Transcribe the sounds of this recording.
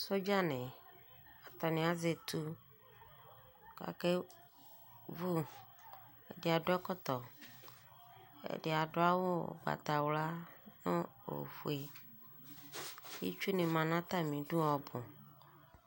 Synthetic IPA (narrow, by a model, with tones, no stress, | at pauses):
so˦d͡ʒa˦nẽ˨ | a˨t̪ɔ˨nẽ˨˦a˦ze˨t̪u˦ | ka̰˨ke˦ | vu˦ | ḛ˨de˨a˨ɖo˦ɛ˦kɔ˦t̪ɔ˨ | ḛ˦˨ɖe˨a˨ɖo˦a˦wo˦o̰˨ɡ͡ba̰˨t̪a˨wla˦nõ˦o̰˨ɸu˨e˨ | jḭ˦t͡ʃu˦nẽ˨mã˨nã˦t̪a˦˨mĩ˨ɖu˦ɔ˨bõ˨